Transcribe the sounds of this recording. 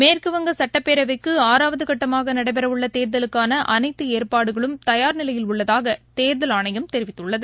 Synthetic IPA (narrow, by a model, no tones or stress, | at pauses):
meːrkɯʋɐŋɡɐsɐʈːɐpːeːɾɐʋɐkːɯaːɾaːʋɐðɯkɐʈːɐmaːɣɐnɐɽɐɪpɐɾɐʋɯɭːɐt̪eːɾðɐlɯkːaːnɐʔɐnɐɪt̪ːɯeːrpaːɽɯɣɐɭɯmt̪ɐjaːɾnɪlɐjɪlʊɭːɐðaːɣɐt̪eːɾðɐlaːɳɐjɐmt̪ɛɾɪʋɪt̪ːɯɭːɐðɯ